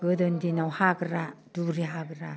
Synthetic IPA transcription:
ɡ̥ɯdɔndinawhaɡɾaduɾiɦaɡɾa

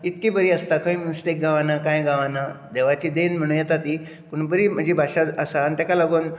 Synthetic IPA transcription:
it̪kibəɾiːəst̪akʰaimunsʈek̚ɡʱaʋanakãjɡaʋanad̪eʋat͡ɕiːd̪enm̤əɽ̃ũːnjɛt̪at̪iː | kuɳbəɾiːm̤əd͡ʑebʱaɕaəsant̪akalaɡoːn

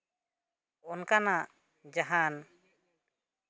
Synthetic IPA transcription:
ɔnkanaʔ | d͡ʒaɦan

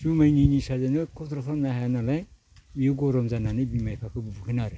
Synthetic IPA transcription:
sumajninisazanɯkʰɔtɾɔtʰamnaɦajanalaj | mijuɡɔɾɔmzananɯbimajpʰakʰɯbubuɡʰɯnaɾɯ

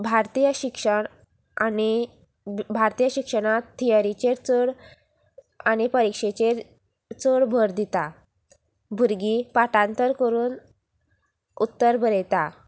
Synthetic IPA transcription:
bʱaɾt̪ijəɕikʂəɳ | ani | bʱaɾt̪ijəɕikʂəɽ̃at̪ːijaɾit͡ɕeɾt͡səɽ | aɽ̃ipəɾikʂet͡ɕeɾ | t͡səɽbʱəɾd̪it̪a | bʱuɾɡipaʈãnt̪əɾkəɾuːn | ut̪ːəɾbəɾet̪a

